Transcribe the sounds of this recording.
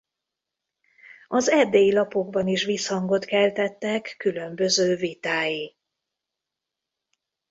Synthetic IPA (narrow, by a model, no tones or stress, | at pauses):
ɒzɛd̪eːjilɒpo̞ɡbɒniʃʋishɒŋɡo̞t̪kɛlt̪ɛt̪ːɛkːylø̞mbø̞zøːvit̪aːji